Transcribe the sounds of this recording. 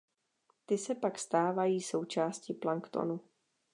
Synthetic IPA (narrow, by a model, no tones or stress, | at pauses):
t̪ɪsɛpakst̪aːvajiːso̞wt͡ʃaːscɪplaŋkt̪o̰nu